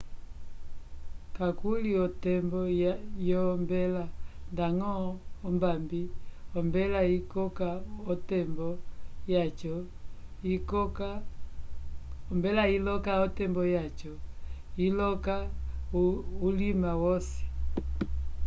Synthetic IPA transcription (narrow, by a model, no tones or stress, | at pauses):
kakuliɔtɛmbɔjɔmbɛlandaŋɔːmbambiɔmbɛlaikɔkaɔtɛmbɔjat͡ʃɔ | ikɔka | ɔmbɛlailɔkaɔtɛmbɔjat͡ʃɔ | ilɔka | ulimawɔsɛ̥